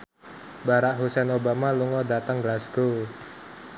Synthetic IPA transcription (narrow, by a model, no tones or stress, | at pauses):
baɾaʔɦusɛnobamaluŋɔdat̪əŋɡlasɡ̥o